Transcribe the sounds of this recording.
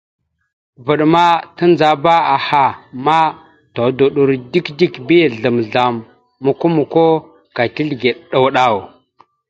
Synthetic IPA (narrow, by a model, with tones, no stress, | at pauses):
vu˨ɗma˦tə˦nd͡za˨ba˦a˨ha˨ma˦ | to˨du˨ɗu˨ɾdi˦kdi˦kbi˦˨ɮə˨mɮa˨mː | u˨ku˦mu˨ko˦ | ka˨ti˦ɬɡe˨ɗɗa˨wɗa˦˨w